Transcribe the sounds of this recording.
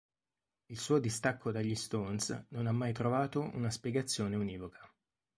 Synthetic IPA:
ilsuːod̪ist̪akʰːod̪aʎːist̪onsnonamːajt̪ɾovaːt̪oʔṵnaspjɛɡat̪sːjoːneuniːvokʰḁ

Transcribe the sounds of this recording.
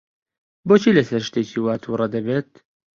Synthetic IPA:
boːt͡ʃʰiːlɛsɛɾʃt̪eːcʰiːwaːt̪ʰuːɾˤɑd̪ɐbeːt̪̚

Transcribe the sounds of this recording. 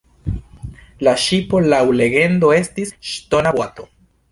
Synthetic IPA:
laʃipo̞lawle̞ɡe̞ndo̞e̞stisʃto̞nabato̞

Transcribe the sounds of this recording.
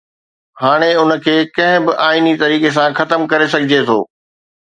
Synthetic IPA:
ɦaːɽ̃eʊnə̆kʰeːkɐ̃ɦɪ̃bɪʔaːinit̪ɐɾiːkes̬ãxɐt̪əmkɐɾesɐɡʱɪd͡ʑet̪ʰo̰ː

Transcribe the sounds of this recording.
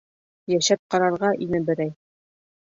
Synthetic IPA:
jæʃæp̚qɑɾɑɾʁɑʔinɘbɘ̆ɾæj

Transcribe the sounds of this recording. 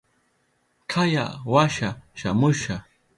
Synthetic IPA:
kʰajawaʃaʃamʊʃa

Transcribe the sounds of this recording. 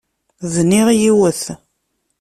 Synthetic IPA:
ðniʁijiwəθ

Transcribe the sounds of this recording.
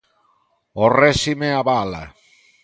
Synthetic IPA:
orɛsimeaβala̰

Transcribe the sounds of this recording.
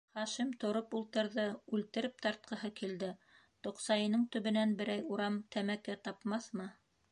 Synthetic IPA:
χɑʃimt̪ŏɾopulˠt̪ɤ̆ɾðɤʉlt̪ɘ̆ɾɘp̚t̪ɑɾt̪̚qɤ̆ɦɤkild̪ɘ | t̪ŏqsɑjɤ̆nɤɴt̪ɵ̆βɘ̆nænbɘ̆ɾæjuɾɑmt̪ʰæmækæt̪ɑpmɑθmɤ

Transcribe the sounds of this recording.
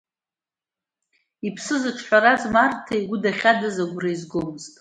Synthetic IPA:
ipʰsɨzɨʈ͡ʂʰħʷaɾazmartʰaiɡʷʊdaχʲadazaɡʷraizɡomɨztʼ

